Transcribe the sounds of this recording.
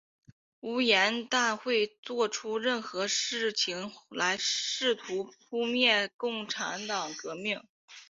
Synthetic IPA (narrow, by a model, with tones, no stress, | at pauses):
u˧˥jɛ˧˥nt̪a˥˧xwe˥˧ɪt͡swɔ˥˩ʈ͡ʂʰu˥ɻə˥˩nxɤ˧˥ʂɻ̩˥˩t͡ɕʰi˧˥ŋla˧˥ɪʂɻ̩˥˩t̪ʰu˧˥pʰu˥mjɛ˥˩kʊ˥˩ŋʈ͡ʂʰa˧˥nt̪ɑ˨˩ŋkɤ˧˥mi˥˩ŋ